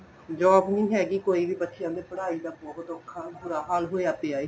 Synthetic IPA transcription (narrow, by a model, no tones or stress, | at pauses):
d͡ʒɔːbnĩːɦɛːɡiːkoːiːʋiːbətːʃɪjãːd̪eːpəɽaːiːd̪aːbɔːɦʊt̪ɔːkʰːaːbuːɾaːɦaːlɦoːeaːp̪eːaːeː